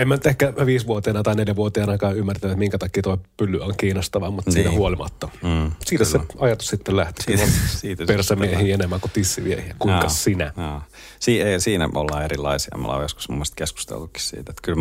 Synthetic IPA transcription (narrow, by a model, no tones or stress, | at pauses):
emːænyt̪ehkæʋiːsʋuot̪eenɑt̪ɑineljæʋuot̪eenɑkɑːymːært̪æet̪miŋkæt̪ɑkːiːt̪oˑipylːyoŋkiːnost̪ɑʋɑmut̪siːnæhuolimɑ̰t̪ːɑsiːt̪æseɑjɑt̪ussit̪ːellæht̪i̥kːɑiːt̪persɑmiehiːenemːæːkut̪isːḭʋiḛhiækuiŋkɑsinæ̰ | siːeisiːnæ̰o̰lːɑerilːˑɑ̰isiɑ̰mo̰lɑ̰o̰josku̥smṵmːoest̪kesku̥st̪ḛlt̪ukːi̥ssḭːt̪et̪kyl